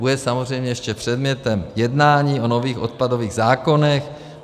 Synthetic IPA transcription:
ujɛsamozrɛjmɲɛjɛʃcɛpr̝̥ɛd̪mɲɛt̪ɛmjɛdnaːɲiːʔo̞no̞viːxʔo̞̰t̪̚pado̞viːɣzaːko̞nɛx

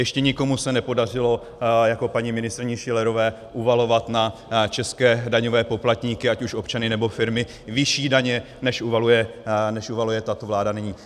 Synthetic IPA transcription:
jɛʃcɛɲɪko̞musɛnɛpo̞dar̝ɪlo̞ | jako̞paɲimɪnɪst̪rɪɲɪʃɪlɛɾo̞vɛː | ʔuvalo̞vat̪nat͡ʃɛskɛːdaɲo̞vɛːpo̞plat̪ɲiːkɪacuʃo̞pt͡ʃanɪnɛbo̞fɪɾmɪ | vɪʃiːdaɲɛ | nɛʃʔuvalujɛnɛʃʔuvalujɛt̪at̪o̞vlaːdanɪɲiː

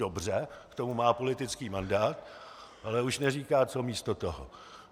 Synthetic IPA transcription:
obr̝ɛkt̪o̞mumaːpo̞lɪt̪ɪt͡skiːmandaːt̪ʔalɛuʃnɛriːkaːt͡so̞miːst̪o̞t̪oɦo̰

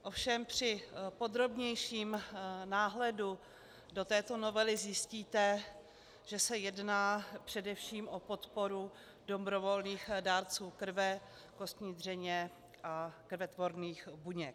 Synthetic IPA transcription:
ʔofʃɛmpr̝̥ɪpo̞d̪ɾo̞bɲɛjʃiːmnaːɦlɛdu | dot̪ɛːt̪o̞no̞vɛlɪzjɪsciːt̪ɛ | ʒ̥ɛsɛjɛdnaːpr̝̥ɛdɛfʃiːmʔopo̞t̪po̞ɾu | d̥o̞bɾo̞vo̞lniːxdaːɾt͡suːkɾ̩vɛ | ko̞st̪ɲiːd̪r̝ɛɲɛ | ʔakɾvɛt̪vo̞ɾniːxbuɲɛk

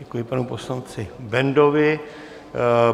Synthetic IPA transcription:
ɛkujɪpanuposlant͡sɪbɛndovɪ

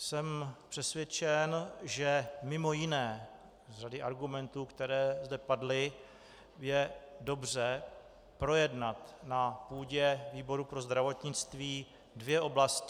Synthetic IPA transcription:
sɛmpr̥ɛsvjɛt͡ʃɛnʒɛmɪmo̞jɪnɛː | radɪʔaɾɡumɛnt̪uːkt̪ɛɾɛːzdɛpadlɪ | jɛdo̞br̝ɛ | pɾo̞jɛdnat̪napuːɟɛviːbo̞ɾupɾo̞zd̪ɾavo̞t̪ɲɪt͡st̪viː | dvjɛʔo̞blascɪ

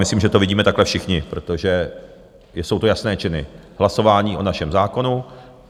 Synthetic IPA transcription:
mɪsliːmʒɛt̪o̞vɪɟiːmɛt̪aklɛfʃɪxɲɪpɾo̞t̪oʒɛ | so̞wt̪ojasnɛːt͡ʃɪnɪ̰hlaso̞vaːɲiːʔonaʃɛmzaːko̞nu

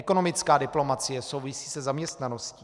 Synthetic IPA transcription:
ɛko̞no̞mɪt͡skaːdɪplo̞mat͡sɪjɛso̞wvɪsiːsɛzamɲɛst̪nano̞sci

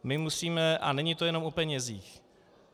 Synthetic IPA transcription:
mɪmusiːmɛʔa̰nɛɲit̪o̞jɛno̞mʔupɛɲɛziːx

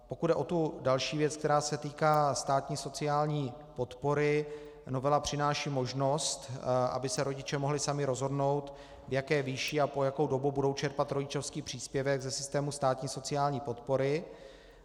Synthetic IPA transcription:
po̞kud̚dɛʔo̞t̪udalʃiːvjɛt͡sk̚t̪ɛɾaːsɛt̪iːkaːst̪aːt̪ɲiːso̞t͡sɪaːlɲiː | po̞t̪po̞ɾɪ | no̞vɛlapr̝̥ɪnaːʃiːmo̞ʒno̞st̪ʔa̰bɪsɛɾo̞ɟɪt͡ʃɛmoɦlɪsamɪɾo̞zɦo̞dno̞wt̪ | vjakɛːviʃiːapo̞jako̞wdo̞bubudo̞wt͡ʃɛɾpat̪ɾo̞ɟɪt͡ʃo̞fskiːpr̥iːspjɛvɛɡzɛsɪ̥st̪ɛːmust̪aːt̪ɲiːso̞t͡sɪaːlɲiːpo̞t̪po̞ɾɪ

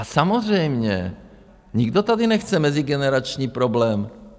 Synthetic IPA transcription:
ʔasamozr̝ɛjmɲɛ | ɲiɡd̪ot̪adɪnɛxt͡sɛmɛzɪɡɛnɛɾat͡ʃɲiːpɾo̞blɛːm

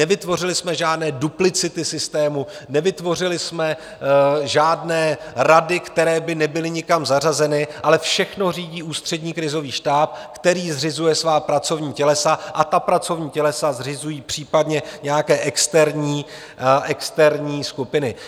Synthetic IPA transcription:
nɛvɪt̪vo̞r̝ɪlɪsmɛʒaːdnɛːduplɪt͡sɪt̪ɪsɪst̪ɛːmu | nɛvɪt̪vo̞r̝ɪlɪsmɛ | ʒaːdnɛːɾadɪkt̪ɛɾɛːbɪnɛbɪlɪɲɪkamzar̝azɛnɪʔalɛfʃɛxno̞r̝iːɟiːʔuːst̪r̝̥ɛdɲiːkɾɪzo̞viːʃt̪aːp̚kt̪ɛɾiːzrɪzujɛsvaːpɾat͡so̞vɲiːcɛlɛsaʔat̪apɾat͡so̞vɲiːcɛlɛsazrɪzujiːpr̝̥iːpadɲɛɲɛjakɛːʔɛkst̪ɛɾɲiː | ɛkst̪ɛɾɲiːskupɪnɪ

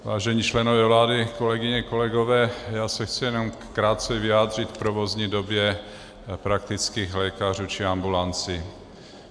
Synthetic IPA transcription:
vaːʒɛɲiːt͡ʃlɛnovɛːvlaːdɪko̞lɛɡɪɲɛko̞lɛɡovɛːjaːsɛxt͡sɪjɛnom | kɾaːt̪̚t͡sɛvɪaːd̪r̝ɪt̪fpɾovo̞zɲiːdobjɛ | pɾak̚t̪ɪt͡skiːxlɛːkar̝uːt͡ʃɪambulant͡sɪ

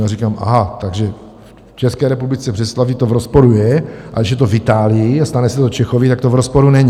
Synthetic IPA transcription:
aɾikaːmʔa̰ɦat̪aɡʒɛ | ft͡ʃɛskɛːɾɛpublɪt͡sɛpr̥ɛslavit̪ovɾospoɾujɛʔa̰ɪʒɛt̪ovɪt̪aːlɪjɪast̪anɛsɛt̪ot͡ʃɛxovɪt̪akt̪ovɾospoɾunɛɲ

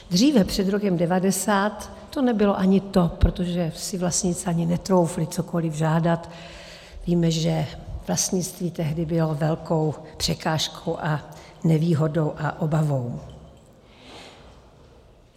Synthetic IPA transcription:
d̪r̝iːvɛpr̥ɛd̪ɾo̞kɛmdɛvadɛsaːt̪ː | o̞nɛbɪlo̞ʔaɲɪt̪o̞pɾot̪oʒɛsɪvlast̪ɲɪt͡sɛaɲɪnɛt̪ɾo̞wflɪt͡soko̞lɪvʒaːdat̪ | viːmɛʒɛv̥last̪ɲɪt͡st̪viːt̪ɛɦdɪbɪlovɛlko̞wpr̥ɛkaːʃkʰowʔanɛviːɦo̞do̞wʔaʔobavo̞w

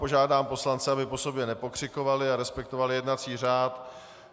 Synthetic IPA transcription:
po̞ʒaːdaːmpo̞slant͡sɛabɪpo̞so̞bjɛnɛpo̞kr̝̥ɪko̞valɪaɾɛspɛk̚t̪ovalɪjɛdnat͡siːr̝aːt̪

